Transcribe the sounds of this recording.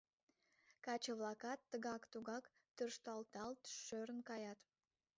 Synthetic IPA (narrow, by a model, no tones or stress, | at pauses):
kɑt͡ʃəβlˠɑkɑt̪ːəɣɑkt̪uɣɑk | t̪ørʃt̪ɑlt̪ɑlt̪ʃøɾənkɑjɑt̪